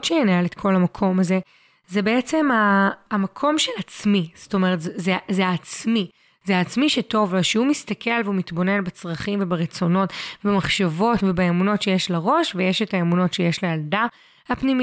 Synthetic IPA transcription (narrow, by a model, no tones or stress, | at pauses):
tt͡ʃeeneletkʰo̞lamakʰo̞maze̞ | zebe̞et͡se̞maːmakʰo̞mʃe̞lat͡smiz̥to̞meʁetzzezeaːt͡smi | zeaːt͡smiʃeto̞voʃeumistɐkʰe̞lveumitbo̞ne̞nbet͡sʁɐχimvebeʁet͡so̞no̞tbemaχʃavo̞tvebeemuno̞tʃejeʃlaʁo̞ʃvejeʃetaemuno̞tʃejeʃlejalda | hapnimi